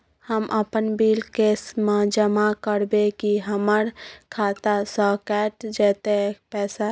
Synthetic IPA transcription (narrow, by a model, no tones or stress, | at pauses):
həmʔəpənbiːlkeːsmãd͡ʒəmakəɾbekiɦəməɾkʰaːt̪asəːkɛːʈd͡ʒɛːt̪epɛːsa